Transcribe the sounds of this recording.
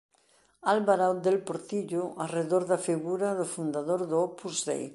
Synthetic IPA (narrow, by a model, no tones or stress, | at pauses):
alβaɾawd̪elpoɾt̪iʎʊʔareðoɾðafiɣuɾaðofund̪aðoɾðopuzðḛj